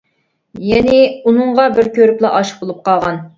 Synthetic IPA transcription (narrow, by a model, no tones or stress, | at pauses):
jɛnɪunɨɴʁɑbɪɾkʲʰøɾyplˠɑʔɑʃə̥χ̚bolˠup̚qɑlˠʁɑn